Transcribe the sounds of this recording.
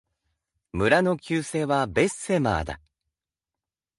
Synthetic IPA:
mɯ̟ɾano̞kʲɨːse̞ːβabe̞sːe̞ma̰ːd̪a̰

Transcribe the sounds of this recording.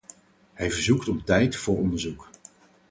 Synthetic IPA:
ɦɛjvəɹzuktɔptɛjtfʊːɹɔndəɹzuk

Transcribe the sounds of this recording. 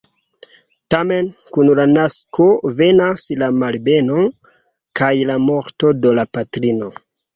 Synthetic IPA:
tamenkunlanaskʰo̞ve̞naslamalbe̞no | kajlamo̞ɾto̞dolapatɾino̞

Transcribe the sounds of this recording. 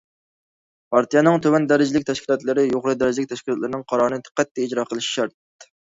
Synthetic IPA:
pʰɑɾt̪ijɑnɨŋt̪ʰøwɛnd̪æɾɪd͡ʒilɪkʲt̪ʰɛʃkʲilˠɑt̪lˠɨɾɪjoʁɾɨd̪æɾɪd͡ʒʲilɪk̚ʲt̪ɛʃkʲlˠɑt̪lˠɨɾɪnɨŋqʰɑɾɑɾɨnɨt̪ʰɨ̥qːɛt̪ːɛid͡ʒɾɑːqʰəlˠɨʃi̥ʃɑɾt̪̚

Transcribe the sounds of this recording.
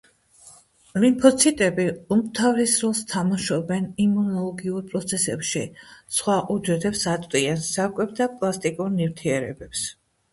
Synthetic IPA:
limpʰɔt̪sʰit̪ʼɛbiumt̪ʰavɾisɾɔlˠst̪ʰamaʃɔbɛnimunɔlˠɔɡiuɾpʼɾɔt̪sʰɛsɛpʃḭsχwaʔud͡ʒɛd̪ɛpsat̪ʼiansakʼɛb̚d̪apʼlˠast̪ʼikʼuɾnivt̪ʰiɛɾɛ̰bɛps

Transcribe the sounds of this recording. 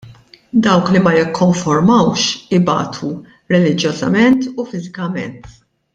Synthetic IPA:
d̪ɐwklimɐjɪkʰːɔɱfɔɾmɐwʃɪbɐ̰ːt̪ʰu | ɾɛlɪd͡ʒjɔzɐ̰mɛnt̪ufɪzɪkɐmɛ̰nt̪

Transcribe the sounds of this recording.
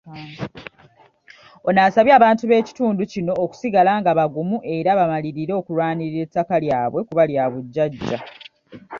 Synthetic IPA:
onaːsaβjaːβaːntuβe̞ːci̥tuːnducino̞ːku̥siɡalaːŋɡaβaɡumuʔe̞ɾaβamaliɾiɾo̞ːkulwaːniiɾe̞tːakaljaːβwe̞kuβaljaβuɟːaɟːa̰

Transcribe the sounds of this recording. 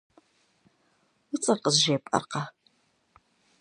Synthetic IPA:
ʊt͡sʼɐqəzʒeːpʼɐ̰rqɑ

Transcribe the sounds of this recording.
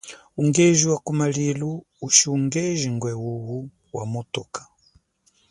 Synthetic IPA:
uŋɡɛʒiwakumaliluː | ʃiuŋɡɛʒiŋɡwɛwuwu | wamutɔkḁ

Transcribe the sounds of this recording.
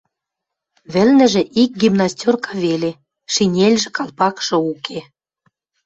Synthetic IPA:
βɘ̆lnɘ̆ʒĕʔik̚ɡimnɑstʲorkɑβele | ʃinʲelʲʒĕkɑlˠpɑkʃɤ̆ukʰe

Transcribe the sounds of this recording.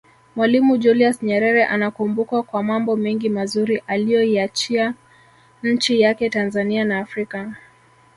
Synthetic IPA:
mwalimud͡ʒuliasɲɛɾɛɾɛʔanakumbukwakwamambɔmɛŋɡimazuɾiʔalijɔiat͡ʃia | ɲ̩t͡ʃijakɛtanzanianaːfɾika

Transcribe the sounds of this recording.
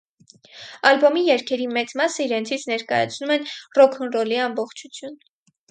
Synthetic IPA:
ɑlbɔmijɛɾkʰɛɾimɛt͡smɑsəiɾɛnt͡sʰit͡sʰnɛɾkɑ̰jɑ̰t͡sʰnumɛnrɔkʰɔnrɔliɑmbɔχt͡ʃʰut͡sʰjun

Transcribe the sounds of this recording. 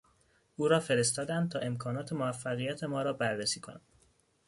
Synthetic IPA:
ʔuːɾɒːfe̞ɾe̞st̪ɒːd̪ænd̪̚t̪ʰɒːʔe̞mkʰɒːnɒːt̪ʰe̞moæfːæɣijæt̪ʰe̞mɒːɾɒːbærːesiːkʰo̞̰næn̥

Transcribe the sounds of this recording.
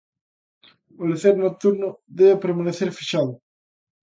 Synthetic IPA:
oleθeɾnok̚t̪uɾnoðeβepeɾmaneθeɾfiʃaðo

